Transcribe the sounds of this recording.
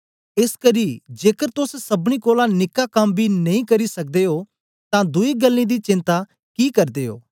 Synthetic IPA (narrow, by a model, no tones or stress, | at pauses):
ɪskəɾid͡ʒeːkəɾt̪ʊssɐbɽ̃ikoːlãnɪkːakɐmbʱinɐĩkɐɾisɐk̚d̪eɦoː | t̪ãd̪ʊiɡəlːĩd̪it͡ʃɪ̃nt̪a | kiːkɐɾd̪eːɦo̰ː